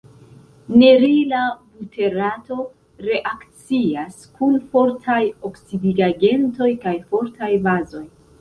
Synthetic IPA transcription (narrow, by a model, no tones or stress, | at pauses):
ne̞ɾilabutʰe̞ɾato̞ | ɾe̞ʔakt͡siaskunfo̞ɾtʰajo̞ksidiɡaɡe̞nto̞jkajfo̞ɾtʰajbazo̞j